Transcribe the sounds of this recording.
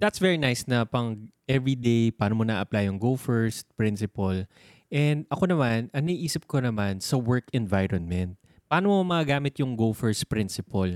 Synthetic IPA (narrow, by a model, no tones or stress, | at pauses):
d̪ɐt̪svɛɹinajsnɐpɐŋʔɛvɹid̪ejpaːnomonɐʔʔɐplajʊŋɡofɛɹst̪̚pɹɪnsɪpɐl | ʔɛnd̪ʔɐkonɐmanɐŋnɐʔiʔiːsɪp̚konɐmansɐwɛɹkɛnvajɹɔnmɛnt̪̚ | pɐaːnomomɐkɐɡaːmɪt̪jʊŋɡofɛɹst̪̚pɾɪnsɪpɐl